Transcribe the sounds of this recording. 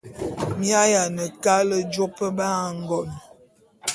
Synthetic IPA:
mja˦ja˨nə˨ka˦lə˦d͡ʒo˦pə˦ba˦˨ŋ˦ɡɔ˨n

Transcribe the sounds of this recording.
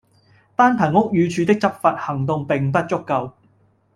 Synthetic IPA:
t̪aː˥npʰɐ˨˩nʊ˥k̚jyː˨˧t͡ʃʰy˨˧t̪ɪ˥k̚t͡sɐ˥p̚faː˧t̚hɐ˨˩ŋt̪ʊ˨˧ŋpɪ˨ŋpɐ˥t̚t͡sʊ˥kːɐ˧w

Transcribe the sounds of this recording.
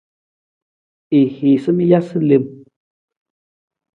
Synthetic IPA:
i˨hi˨sə˦mi˦ja˦sɨ˦li˧˨m

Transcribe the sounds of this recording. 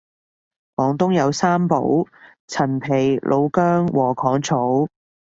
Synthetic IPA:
fɔː˨˧ŋt̪ʊ˥ŋjɐ˨˧wsaː˥mpo̰˨˥w | t͡sʰɐ˨˩npʰe˨˩jlʔo˨˧wkœː˥ŋwɔː˨˩kʰɔː˨˥ŋt͡sʰo˨˥w

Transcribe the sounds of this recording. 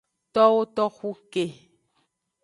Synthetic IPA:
tɔ˦wo˦tɔ˦xu˦ke˨

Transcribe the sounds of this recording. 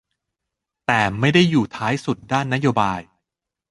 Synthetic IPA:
t̪ɛː˨˩ma˥˩jda˥˩jːuː˨˩t̪ʰaː˦˥jsu˨˩t̪̚daː˥˩nːa˦˥joː˧baː˧j

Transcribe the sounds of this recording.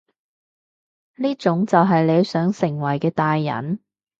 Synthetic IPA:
liː˥t͡sʊ˨˥ŋt͡sɐ˨wɦɐ˨jle˨˧˥jsœː˨˥ŋsɪ˨˩ŋwɐ˨˩jkɛː˧t̪aː˨jːɐ̰˨˩n

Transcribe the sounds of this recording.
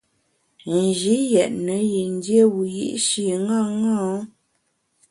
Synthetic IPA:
n˨d͡ʒi˨˦jɛ˨ʔnə˨˦ji˨n˦dje˦wu˨jḭ˦ʔʃi˨ŋɡa˦˨ŋɔ̃˦

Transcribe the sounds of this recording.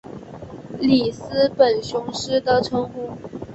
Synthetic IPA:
li˨˩sɹ̩˥pə˨˩nɕjʊ˧˥ŋʂɻ̩˥d̪ə˨ʈ͡ʂʰɤ˧˥ŋu˥˩

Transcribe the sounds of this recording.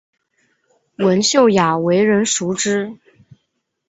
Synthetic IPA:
wə˧˥nɕjo˥˩ʊja˨˩we˧˥ɪɻə˧˥nʂu˧˥ʈ͡ʂɻ̩˥

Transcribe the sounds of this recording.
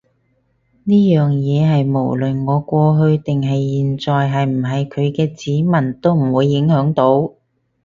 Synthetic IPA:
niː˥jœː˨ŋjɛː˨˧ɦɐ˨jmo̰˨˩wlɵ˨nŋɔː˨˧kʷɔː˧ɦɵ˧ɥt̪ɪ˨ŋɦɐ˨jːiː˨nt͡sɔː˨jɦɐ˨jm̩˨˩ɦɐ˨jkʰɵ˨˧ɥkɛː˧t͡siː˨˥mɐ˨˩nt̪o˥wm̩˨˩wuː˨˧jːɪ˨˥ŋhœː˨˥ŋt̪o˨˥w

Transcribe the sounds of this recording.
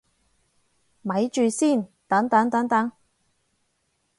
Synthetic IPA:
mɐ˨˥jt͡ʃyː˨siː˥˩nt̪ɐ˨˥ŋt̪ɐ˨˥ŋt̪ɐ˨˥ŋt̪ɐ˨˥ŋ

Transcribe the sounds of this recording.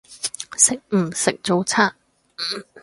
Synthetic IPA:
sɪ˨k̚m̩˨˩sɪ˨k̚t͡so˨˧wt͡sʰaː˥˨˩

